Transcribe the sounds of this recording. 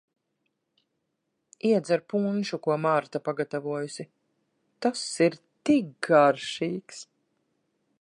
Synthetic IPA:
iɛd̪zaɾpunʲʃukuɔmaɾt̪apaɡat̪avuɔjusi | t̪asiɾt̪ik̚ɡaɾʃiːks

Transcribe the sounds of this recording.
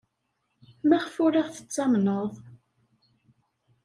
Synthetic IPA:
mæʁfʊɾaʁθə̥t͡sːɑmnəðˤ

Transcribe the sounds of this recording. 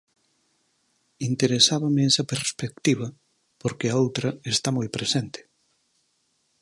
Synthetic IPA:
int̪eɾesaβɐmeɛsɐpeɾspek̚t̪iβɐ | poɾkeɐowt̪ɾɐest̪amojpɾesent̪ɪ̥

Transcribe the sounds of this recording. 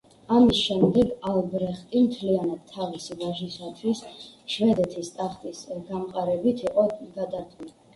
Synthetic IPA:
amisʃɛmd̪ɛɡalˠbɾɛχt̪ʼimt̪ʰlianad̪̥̚t̪ʰːavisivaʒisat̪ʰwisʃvɛd̪ɛt̪ʰist̪ʼaχt̪ʼisɡamqʼaɾɛbit̪ʰiqʼɔɡad̪aɾt̪ʼuli

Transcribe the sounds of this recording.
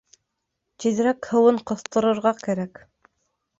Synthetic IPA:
t̪iðɘ̆ɾækhɤ̆wɤɴqŏθt̪ɤ̆ɾɤ̆ɾʁɑkæɾæk

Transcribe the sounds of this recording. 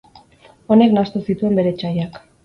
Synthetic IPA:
o̞ne̞knast̪usit̪ue̞mbe̞ɾe̞t͡ʃajak

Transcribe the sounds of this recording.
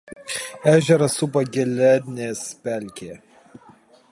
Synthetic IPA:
æːʒʲɛɾɐsʊpɐɡʲɛlʲɛnʲeːspʲælʲkʲeː

